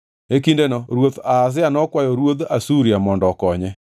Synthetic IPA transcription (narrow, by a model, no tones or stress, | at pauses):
ekindenɔɾwotaːs̬ɪanɔkwajɔɾwoðasuɾjamɔndɔkɔɲɛ